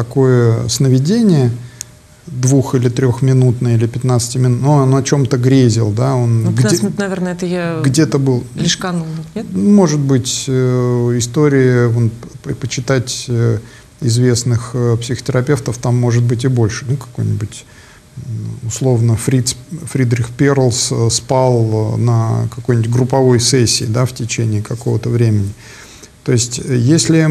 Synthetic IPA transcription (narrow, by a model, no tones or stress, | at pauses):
t̪ɐko̞jəsnəvʲɪdʲenʲɪjə | d̪vuxilʲɪt̪ɾʲo̞xmʲɪnut̪nəjilʲɪpʲɪt̪nat̪sɨ̥tʲɪmʲɪnut̪nonɐt͡ɕo̞mt̪əɡɾʲezʲɪlˠd̪ao̞nɡ̪nɐvʲernəɛt̪əjaɡdʲet̪əbɨlˠlʲɪʂkɐnumo̞ʐɨd̪̚bɨtʲ | ɪst̪o̞ɾʲɪɪonpət͡ɕːɪt̪atʲ | ɪzvʲe̞snɨxpsʲɪxə̥tʲɪɾɐpʲe̞ft̪əft̪amːo̞ʐɨt̪̚bɨt̬ʲɪbo̞lʲʂɨnukɐ̥ko̞jnʲɪbʊtʲ | ʊslˠo̞vnəfɾʲisfɾʲid̪ɾʲɪxpʲeɾlˠsspalˠnəkɐkojnʲtʲɡɾʊpɐvo̞jsɛsʲːɪ̰ːd̪aftʲɪt͡ɕenʲɪːɪkɐko̞vət̪əvɾʲemʲɪnʲɪ | t̪o̞ɪsʲtʲjesʲlʲɪ